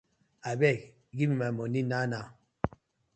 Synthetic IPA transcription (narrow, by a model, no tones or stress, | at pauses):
abɛ | ɡimimamɔninana